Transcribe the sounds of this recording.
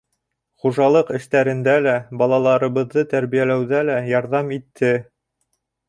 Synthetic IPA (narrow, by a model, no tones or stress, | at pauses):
χuʒɑlˠɤqɘ̆ʃt̪æɾɘ̆nd̪ælæbɑlˠɑlˠɑɾɤ̆βɤ̆ðːɤt̪æɾβijælæwðælæjɑɾðɑmit̪ʰːɘ